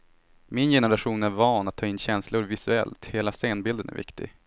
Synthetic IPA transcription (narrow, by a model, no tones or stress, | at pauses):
mɪnjɛnəɾaɧuːnæɾvɑːnat̪ʰːɑːɪnːɕɛnslʊɾvɪsɵɛ̰lt̪heːlaseːnbɪld̪ənæ̰ɾvɪ̰kt̪ɪ̰ɡ